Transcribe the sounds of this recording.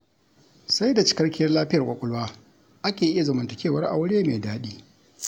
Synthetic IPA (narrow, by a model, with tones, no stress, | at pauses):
sa˦jda˨t͡ʃɪ̥˦kɐ˦rkʲɪ˦jɐ˦rlaː˦ɸɪ˦jɐ˨rkʷʼɐ˨kʷʼʊ˦lwaː˦ | ʔa˦kʲeː˨ʔɪ˦ja˨zɐ˨mɐ˨ntɐ˨kʲeː˦˨wɐ˦rʔa̰˨wʊ˦ɽeː˦me˨daː˦ɗiː˦